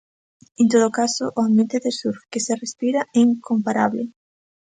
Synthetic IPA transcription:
ent̪oðokasoʔoambjent̪eðesuɾkeserespiɾaʔɛiŋkompaɾaβlḛ

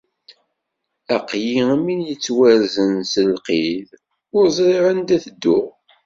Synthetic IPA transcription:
æqjiæmːinjət͡sːwæɾzənsəlqið | ʊɾzˤɾiʕənd̪æθəd̪ːʊʁ

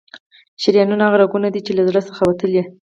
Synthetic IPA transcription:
ʃɪɾjɑnunaaɣaɾaɡunad̪it͡ʃelazɽəsəxawat̪əlji

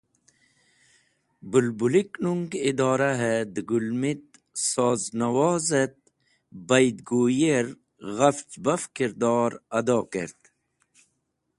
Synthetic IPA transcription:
bulbuliknuŋɡid̪ɔːɾaɦed̪ɡulmit̪̚ | sɔːznɐwɔːzət̪̚ | bɐjd̪̚ɡoːjeɾ | ɣaft͡ʃbɐfkiɾd̪ɑːɾɐd̪ɑːkḛɾt̪

